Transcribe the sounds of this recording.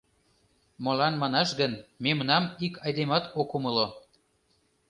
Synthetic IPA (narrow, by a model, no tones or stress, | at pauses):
molɑnmɑnɑʃɡənmemənɑmikʰɑjd̪emɑt̪okuməlo